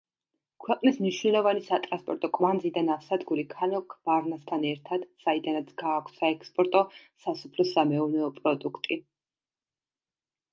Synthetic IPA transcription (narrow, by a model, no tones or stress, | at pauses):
kʰwɛqʼnismniʃwnɛlˠɔvanisat̪ʼɾanspʼɔɾt̪ʼɔkʼmand̪zid̪anafsad̪ɡuɾikʰanɔkʰb̥aɾnast̪ʰanɛɾt̪ʰad̪̥said̪anat̪sʰɡ̥aːkʷʰsaɛkʰspʼɔɾt̪ʼɔsasu̥pʰlɔsamɛɔvnɛɔpʼɾɔd̪ukʰt̪ʼi